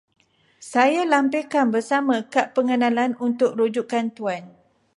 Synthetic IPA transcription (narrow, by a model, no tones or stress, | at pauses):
sajalampekanbərsamãkaʔpəŋənãlanunt̪ʊk̚rud͡ʒukant̪uan